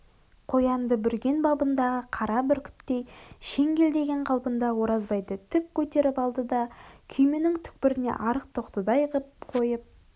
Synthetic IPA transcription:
qʰo̞jɑnd̪əbʏɾɡʲe̞nbɑbənd̪ɑʁəqʰɑɾɑbʏɾkʲʰɪ̥t̪ːe̞jʃe̞ŋɡʲe̞ld̪e̞ɡʲe̞ɴqʰɑlˠpənd̪ɑwo̞ɾɑzbɑjd̪ət̪ʰʏp̚kʲʰɵt̪e̞ɾɪpɑlˠd̪əd̪ɑkʲʰʏjmɪnɪŋt̪ʰʏ̥k̚pɪɾɪne̞̰ʔɑɾəq̚t̪ʰoqt̪əd̪ɑjəʁəp̚qʰo̞jəp̚

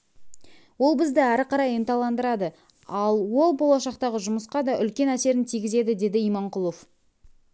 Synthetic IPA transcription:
wo̞lˠbɪzd̪ɪæɾɪqɑɾɑjent̪ɑlˠɑnd̪əɾɑd̪ə | ɑlˠwo̞lˠbo̞lˠɑʃɑqt̪ɑʁəʒʊməsqɑd̪ɑʔʏlkʲe̞næse̞ɾɪnt̪ʰijɡʲɪze̞d̪ɪd̪e̞d̪ɪijmɑɴqʊlˠof

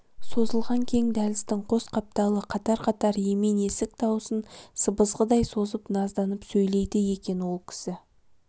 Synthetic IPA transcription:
so̞zəlˠʁɑŋkʲʰe̞ŋd̪ælɪst̪ɪŋqʰo̞sqɑp̚t̪ɑlˠəqʰɑt̪ɑɾqʰɑt̪ɑɾje̞mene̞sɪk̚t̪ʰɑwsənsəbəzʁəd̪ɑjso̞zəpnɑzd̪ɑnəpsɵjle̞jd̪ɪje̞kʲe̞nwo̞lˠkʲʰɪ̥sɪ

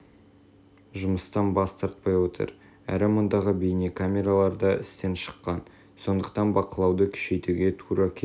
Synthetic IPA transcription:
ʒʊməst̪ɑnbɑst̪ɑɾt̪̚pɑjwot̪ə̰ɾ | æ̰ɾɪmond̪ɑʁəbejnekʰamʲe̞ɾalˠɑɾd̪ɑʔɪ̰st̪e̞nʃə̥qːɑn | so̞nd̪əq̚t̪ɑnbɑqəlˠɑwd̪əkʲʰʏ̥ʃe̞jt̪uɡʲe̞t̪ʰuɾɑkʲʰe

